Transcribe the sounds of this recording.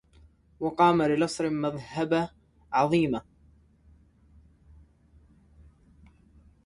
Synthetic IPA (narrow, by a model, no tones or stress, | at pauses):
wɑqɑːmalɪlɑsˤɾɪmaðhaba | ʕɑðˤiːma